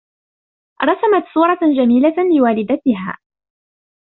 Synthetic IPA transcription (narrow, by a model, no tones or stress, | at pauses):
ɾˤɑsamat̪sˤuːɾˤɑd͡ʒamiːlalɪwaːlɪd̪at̪ɪɦa̰ː